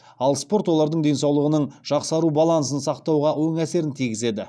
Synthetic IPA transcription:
ɑlˠspo̞ɾt̪wolˠɑɾd̪əɴd̪e̞nsɑwlˠəʁənəɴʒ̥ɑqsɑɾubɑlˠɑns̬ənsɑqt̪ɑwʁɑwo̞ŋæse̞ɾɪnt̪ʰijɡʲɪze̞d̪ɪ

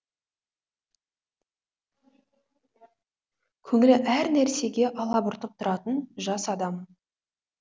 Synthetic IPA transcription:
kʲʰɵŋɪlɪʔæɾnæɾse̞ɡʲe̞ʔɑlˠɑbʊɾt̪əp̚t̪ʰʊɾɑt̪ənʒɑsɑd̪ɑm

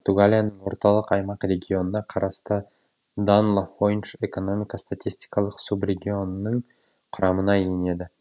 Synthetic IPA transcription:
poɾt̪uɡalʲijanəɴwo̞ɾt̪ɑlˠəqɑjmɑqrʲe̞ɡʲio̞nənɑqʰɑɾɑst̪ə | d̪anlˠafojnʃe̞ko̞no̞mʲijkɑst̪at̪ʲijsʲt̪i̥jkɑlˠəqsubrʲe̞ɡʲio̞nənəɴ | qʰʊɾɑmənɑjene̞d̪ɪ

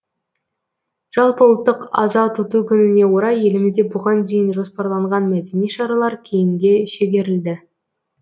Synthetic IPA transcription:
ʒ̥ɑlˠpəʊlˠt̪ːəqɑ̰zɑt̪ʰʊt̪ukʲʏnɪne̞woɾɑje̞lɪmɪzd̪e̞bʊʁɑnd̪e̞jɪnʒo̞spɑɾlˠɑɴʁɑnmæd̪e̞nijʃɑɾɑlˠɑɾkʲʰe̞jɪŋɡʲe̞ʃeɡʲe̞ɾɪld̪ɪ

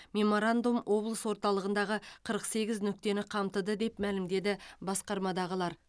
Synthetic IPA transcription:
mʲe̞mo̞ɾand̪umwʔo̞blˠəswo̞ɾt̪ɑlˠəʁənd̪ɑʁəqʰəɾəqse̞ɡʲɪznʏk̚t̪e̞nɪqʰɑmt̪əd̪əd̪e̞pmælɪmd̪e̞d̪ɪbɑsqɑɾmɑd̪ɑʁəlˠɑɾ

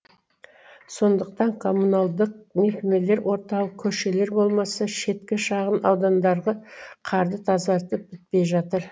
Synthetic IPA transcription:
so̞nd̪əq̚t̪ɑɴkʰo̞mːunɑlˠd̪əq̚me̞kʲeme̞le̞ɾwʔo̞ɾt̪ɑlˠəq̚kʲʰɵʃe̞le̞ɾbo̞lˠmɑsɑʃe̞t̪kʲɪʃɑʁənɑwd̪ɑnd̪ɑɾʁəqʰɑɾd̪ət̪ʰɑzɑɾt̪əp̚b̥ɪt̪̚pe̞jʒɑt̪əɾ

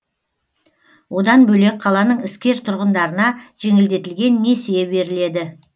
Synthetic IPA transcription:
wo̞d̪ɑnbɵle̞k̚qʰɑlˠɑnəɴɪskʲe̞ɾt̪ʰʊɾʁənd̪ɑɾənɑʒ̥e̞ŋɪld̪e̞t̪ɪlɡʲe̞nːe̞sejebe̞ɾɪle̞d̪ɪ

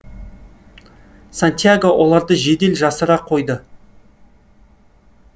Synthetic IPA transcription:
sant̪ijaɡowʔo̞lˠɑɾd̪əʒe̞d̪e̞lʒɑsəɾɑqʰːo̞jd̪ə

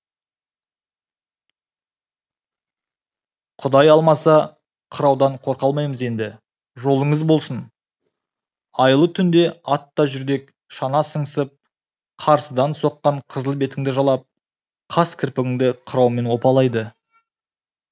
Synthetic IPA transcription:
qʰʊd̪ɑjɑlˠmɑsɑ | qʰəɾɑwd̪ɑɴqʰo̞ɾqɑlˠmɑjməze̞nd̪ɪ | ʒo̞lˠəɴəzbo̞lˠsən | ɑjəlˠət̪ʰʏnd̪e̞ɑt̪ːɑʒʏɾd̪e̞k | ʃɑnɑsəɴsəp̚ | qʰɑɾsəd̪ɑnso̞qːɑɴqʰəzəlˠbe̞t̪ɪŋd̪ɪʒɑlˠɑp̚ | qʰɑskʲʰɪɾpɪɡʲɪŋd̪ɪqʰəɾɑwme̞nwo̞pɑlˠɑjd̪ə

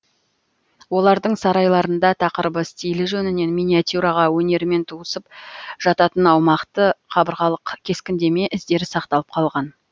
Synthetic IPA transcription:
wo̞lˠɑɾd̪əɴsɑɾɑjlˠɑɾənd̪ɑt̪ʰɑqəɾbəst̪ʲijlɪʒɵnɪne̞nmʲijnʲiat̪ʲjuɾɑʁɑwɵne̞ɾɪme̞nt̪ʰuəsəpʒ̥ɑt̪ɑt̪ənɑwmɑqt̪əqʰɑbəɾʁɑlˠəqkʲʰe̞skʲɪnd̪e̞me̞ʔɪzd̪e̞ɾɪsɑqt̪ɑlˠəp̚qʰɑlˠʁɑn

